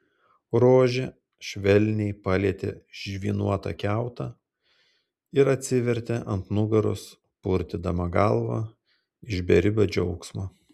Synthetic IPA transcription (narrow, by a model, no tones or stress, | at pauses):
ɾoːʒʲe | ʃʲʋʲɛlʲnʲɛɪpɑːlʲiɛt̪ʲḛʒʲʋʲiːnuɔt̪ɐ̰kʲæˑʊt̪ɐ | ɪɾɐt̪ʲsʲɪʋʲɛɾʲt̪ʲeʔɐnt̪nʊɡɐɾʊ̰s | pʊɾʲt̪ʲɪd̪ɐmɐɡɐlˠʋɑ̰ | ɪʒʲbʲɛɾʲɪbʲoːd͡ʒʲɛʊksmɐː